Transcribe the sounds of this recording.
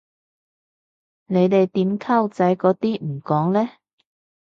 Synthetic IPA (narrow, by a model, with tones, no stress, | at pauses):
ne˨˧jt̪e˨jt̪iː˨˥mkʰaː˥˩wt͡sɐ˨˥jkɔː˨˥t̪iː˥m̩˨˩kɔː˨˥ŋlɛː˥